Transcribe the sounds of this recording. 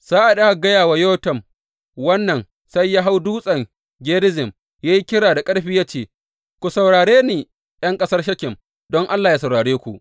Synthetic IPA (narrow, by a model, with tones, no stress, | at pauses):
z̥aː˦ʔa˨ɗa˦ha˨ɡɐ˦jaː˨wa˨joː˦tɐ˨m | wɐ˦nːɐ˨n | sɐ˦jːaː˦ɦa˦wduː˦sʼɐ˨ŋ | ɡʲeː˦ɾɪ˦zɪ˨m | jaː˦ji˦kʲɪ˦ɽaː˨da˨kʼɐ˦ɽɸi˦jaː˦t͡ʃeː˦˨ | kʷu˨sɐ˨wɽaː˨ɽeː˦niː˨ | j̰ɐ˦ŋkʼɐ˦sɐ˦rʃ̬ɐ˦kʲɪ˨m | dɔ˦ŋʔa˦lːaː˨ja˦sɐ˨wɽaː˨ɽeː˦kʷu˨ʔ